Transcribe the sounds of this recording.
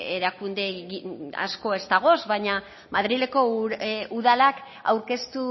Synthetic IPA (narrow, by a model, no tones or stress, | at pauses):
eɾakund̪e̞ɣia̰sko̞e̞zt̪aɣ̞o̞sβaɲa | maðɾile̞ko̞uðalak | a̰wɾke̞st̪u